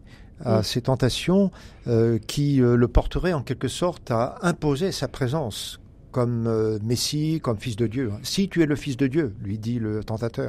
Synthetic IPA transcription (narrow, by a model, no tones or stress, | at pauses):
aset̪ɑ̃t̪asjɔ̃ | økʲʰiøləpɔʁt̪əʁɛɑ̃kʲɛlkəsɔʁt̪aɛ̃pozesapχezɑ̃s | kɔmøːesikɔmfisd̪əd̪jø̃sit̪yɛləfisd̪əd̪jølɥid̪ilət̪ɑ̃t̪at̪œːʁ